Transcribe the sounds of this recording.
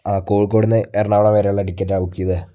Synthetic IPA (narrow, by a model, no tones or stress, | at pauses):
aːkoːɭkoːɽunːɨerɐɳaːʋɐɽɐmʋeɾejuɭːɐʈikʲːɐtːaːʋukːijɐðɨ